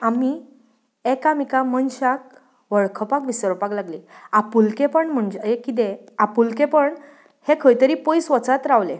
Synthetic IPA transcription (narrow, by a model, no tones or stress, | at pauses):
ami | ekamikamənɕak̚ | ʋəɭkʰəpakʋisəɾpaklaɡliːapulkepəɳm̤əɳd͡ʑeekit̪e | apulkepəɳ | hekʰəjt̪əɾipojsʋət͡sat̪ɾaʋle